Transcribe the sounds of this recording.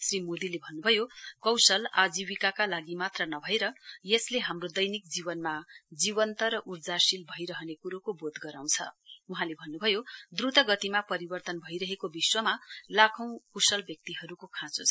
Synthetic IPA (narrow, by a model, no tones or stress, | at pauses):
srimod̪ilebʱʌnːubʱʌjokʌwsʌlad͡zibikakalaɡimat̪rʌnʌbʱʌeɾʌjesleɦamrod̪ʌjnik̚d͡zibʌnmad͡ziβʌnt̪ʌɾʌʔurd͡zasilbʱʌiɾʌɦʌnekuɾokobod̪ɡʌɾaw̃t͡sʰʌ̰uɦãlebʱʌnːubʱʌjod̪rut̪ʌɡʌt̪imapʌɾibʌrt̪ʌnbʱʌiɾʌɦekobiswʌmalakʰʌ̃w̃kusʌlbjʌk̚t̪iɦʌɾukokʰãt͡sot͡sʰ